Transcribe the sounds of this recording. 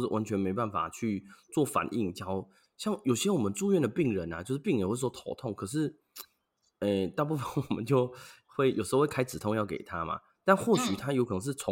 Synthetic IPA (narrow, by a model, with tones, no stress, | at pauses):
ʂɻ̩˥˩wa˧˦nt͡ɕʰɥɛ˧˥nme˧˥ɪpa˥˩nfa̰˨˩t͡ɕʰy˥˧t͡swɔ˥˩fa̰˨˩nʔḭ˥˩ŋt͡ɕjɑ˥ʊ | ɕjɑ˥˩ŋjo˨˩ʊɕjɛ˥wɔ˨˩mə˨˦nt͡su˥˧ɥɛ˥˩nd̪ə˩pi˥˩ŋɻə˧˦na̰˩t͡ɕjo˥˧ʊʂɻ̩˥˩pi˥˩ŋjɛ˨˩xwe˥˧˩swɔ˥t̪ʰo˧ʊt̪ʰʊ˥˩˨ŋkʰɤ˨˩ʂ̬ɻ̩˥˩ | e˧˩t̪a˥˧pu˥˧fə˥˨˩nwɔ˨˩mə̰˦nt͡ɕjo˥˧ʊ | xwe˥˩ɪjʂɻ̩˧˥˧we˥˩kʰa˥ɪt͡s̩˨˩t̪ʰo˥˧ŋjɑ˥˩ʊkḛ˨˩ɪt̪ʰa˦ma̰˨ | t̪a˥˧nxwɔ˥˩ɕy˨˩t̪ʰa˥jo˧˥kʰɤ˨˩nɤ˧˦ŋʂ̬̩˥˩t͡sʰʊ˧˦